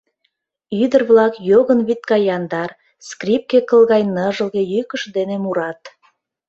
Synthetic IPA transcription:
yd̪ərβlɑkjoɣənβit̪̚kɑjɑnd̪ɑr | skrip̚kekəlɣɑjnəʒə̆lˠɣejykəʃd̪enemuɾɑt̪

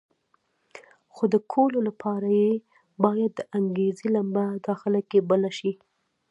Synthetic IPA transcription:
xod̪əkʰololapʰɑɾaje | bɑjad̪ːəʔaŋɡezilambad̪ɑxɪlakebəlaʃi

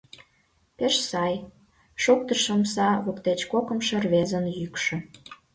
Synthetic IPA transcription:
peʃsɑj | ʃok̚t̪əʃəmsɑβokt̪et͡ɕkokə̆mʃə̆rβezənjykʃĕ

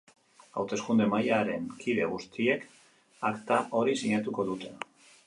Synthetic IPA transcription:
a̰wt̪e̞skund̪e̞majaɾe̞ŋkʰiðe̞̰ɣ̞ust̪ie̞k | akt̪aʔo̞ɾisiɲat̪uko̞ðut̪e̞

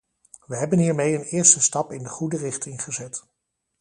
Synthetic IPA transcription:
ʋəɦɛbənɦiːɹmejənɪːɹstəstɑpɪndəχudərɪχtɪŋχəzɛt

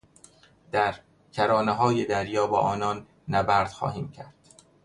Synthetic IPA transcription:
d̪̥æɾ | cʰæɾɒːneɦɒːjed̪æɾjɒːbɒːʔɒːnɒːnː | æbæɾd̪̥xɒ̰ːhiːmcʰæɾd̪̥

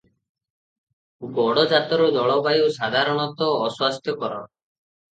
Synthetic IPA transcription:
uɡɔɽɔd͡ʒat̪ɔɾɔd̪ɔɭɔbajusad̪ʱaɾɔɽ̃ɔt̪ɔːswast̪ʰjɔkɔɾɔ̰

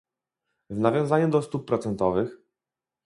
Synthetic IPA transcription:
vnavʲjɔ̃w̃zaɲud̪ɔst̪up̚ːɾɔt̪sɛnt̪ɔvɘx

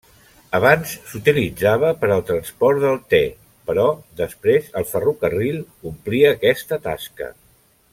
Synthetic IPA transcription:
əβ̞ansːut̪ilid͡zaβ̞əpəɾəlˠt̪ɾənspɔɾd̪əlˠt̪ɛ | pəɾɔðəspɾezəlˠfərukərilˠ | umpliəːkɛst̪ət̪a̰skə̰

